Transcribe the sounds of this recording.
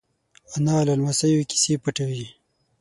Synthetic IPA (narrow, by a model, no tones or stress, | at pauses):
analalmasajuki̥sepəʈawi